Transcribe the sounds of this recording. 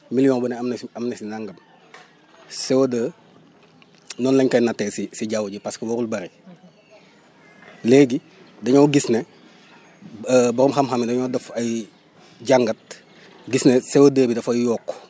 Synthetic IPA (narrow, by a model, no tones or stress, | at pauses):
miljɔŋbənɛɐmnɐmnɛsinaŋɡɐm | sɛwodəː | nɔnlɐɲkɐjnatːɛsisiɟawɟipaskiwɐɾulbɐɾi | leːɡi | dɐɲowɡisnɛ | bɔɾɔmxɐmxɐmidɐɲɔːdɐfɐj | ɟaŋɡɐt̚ | ɡisnesɛwodəːbidɐfɐjjɔːkː